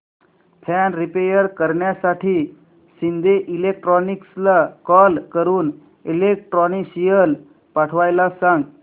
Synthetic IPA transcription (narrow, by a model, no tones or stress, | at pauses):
fʰɛnɾipejəɾkəɾɳjasaʈʰiː | sind̪ʱeʔilek̚ʈɾɔnikslakɔlkəɾuːn | ilek̚ʈɾɔniɕijəl | paʈʰʋajlasãŋɡ